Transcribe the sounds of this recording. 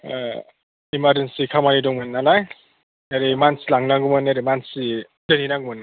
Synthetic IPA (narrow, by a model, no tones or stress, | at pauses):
imaɾd͡ʒensikʰamanidɔŋmɯnːalaj | eɾimansilaŋnaŋɡumɯnaɾimansi | dɯninaŋɡumɯn